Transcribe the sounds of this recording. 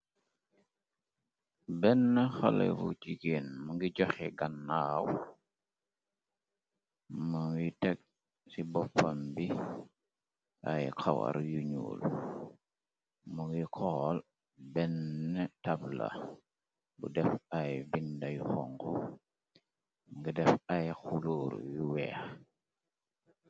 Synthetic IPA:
bɛnːɛxɐ̰lɛ̰vṵt͡ʃiɡeːnmɐŋɡiɟɔxɛɡanːaːw | maŋwitɛk̚ | sibɔpːɐmbi | ʔajkʰawa̰ɾjuɲṵːl | muŋɡikʰɔl | bɛnːɛtabla̰ | bṵdɛfajbindajuxɔŋkɔ | ŋɡidɛfajxulɔːɾ̰juwɛ̰ːx

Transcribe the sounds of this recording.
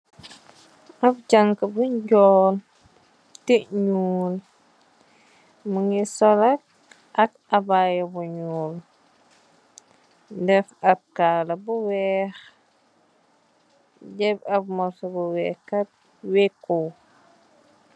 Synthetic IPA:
ab̚d͡ʒaŋkəbuɲɟɔːl | tiɲuːl | muŋisɔlak̚ | ʔɐk̚ | abajobuɲuːl | dɛfab̚kaːlɐbuwɛx | ɟɛbɐb̚mɔsobuwɛkat̚ | wekːo

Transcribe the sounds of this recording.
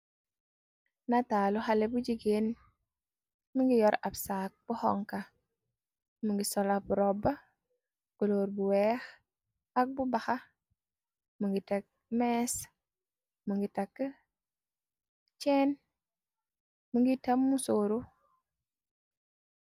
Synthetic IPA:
nataluhalebud͡ʒiɡen | muŋɡijɔɾabsak̚b̥uhɔ̰ŋka | muŋɡisɔlabuɾɔba | ɡ̥oloːɾbuwɛx | ak̚bubaxa | muŋɡitek̚ | mɛs | muŋɡitakː | t͡ʃɛn | muŋɡitamːusoɾu

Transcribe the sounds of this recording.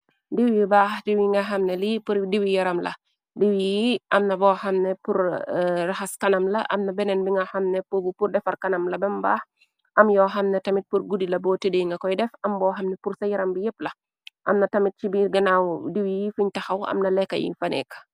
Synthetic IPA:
diwijbadiwiŋɡɐɦɐmnɛlipuɾdiwijɐɾɐmlɐ̰ | diwijiʔɐmnɐbɔhɐmnɛpuɾraxaskɐnɐmlɐʔɐ̰mnɐbɛnɛnbiŋɡɐxɐmnɛpubupurdɛfɐɾkɐnɐmlɐbɛmbaːx | ʔɐmjɔɦɐmnɛtɐmit̚puɾɡudilɐbɔːtedejŋɡɐkɔjdɛfɐmbɔːɦɐmnɛpuɾsɐjɐɾɐmbijeplɐ | ʔɐmnɐtɐmit̚t͡ʃibiɡɐnawdiwijifuɲtɐxawɐ̰mnɐlɛkːɐ̰jḭnfanɛ̰kḁ

